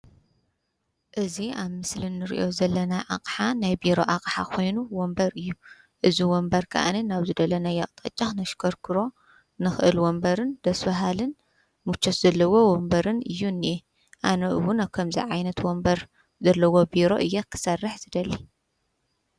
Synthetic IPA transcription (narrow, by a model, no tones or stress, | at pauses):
ʔɨziaβmɨslɨnːɨɾḭʔo̞zɐlːɐnaʔakʼħanajbiɾo̞ʔaqʼħakʰo̞jnuwɔmbɐɾɨjːu | ʔɨziwɔmbɐɾkʰɐ̰ʔa̰ninaβzɨd̪ɐlɐnajɐkʼt̪ʼɐ̰t͡ʃʼːaxnɐʃkʰɐɾkʰɨɾo̞ | nɨxɨʔɨlwɔmbɐɾɨnd̪̥ɐsfɐɦalɨn | mut͡ʃʰːot̪zɐlːɐwo̞wɔmbɐɾɨnɨjːunːe | ʔanɐʔɨwʊnakʰɐmzḭʕajnɐt̪wɔmbɐɾ | zɐlːɐwo̞biɾo̞̰ʔɨjːɐkʰɨ̥sɐrːɨħzɨd̪ɐlːi